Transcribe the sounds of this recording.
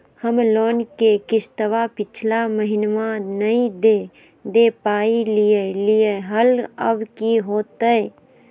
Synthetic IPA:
həmloːnkekɪst̪əʋapɪt͡ʃʰlaməɦɪnmãnəĩd̪e | d̪epaːilijelijeɦələbkiɦoːt̪əe

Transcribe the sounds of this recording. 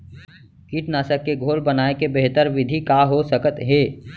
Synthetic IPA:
kiʈnaːsəkːeɡʱoːlbənaːekebeɦt̪əɾʋɪd̪ʱikaːɦosəkət̪ɦeː

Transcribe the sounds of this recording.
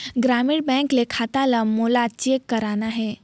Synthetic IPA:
ɡɾamiɽbɛ̃ŋklekʰat̪alamolat͡ʃekːəɾanaɦɛ

